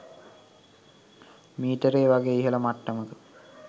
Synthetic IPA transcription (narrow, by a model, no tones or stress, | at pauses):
miːʈəɾeːʋaɡeːiɦələmaʈːəməkə